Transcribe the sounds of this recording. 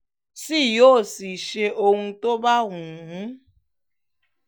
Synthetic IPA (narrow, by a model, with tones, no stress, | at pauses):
si˦jo˦˨si˨ʃe˦ʔo˦ŋ̩˦to˦ba˦ɦũ˨ɦu˦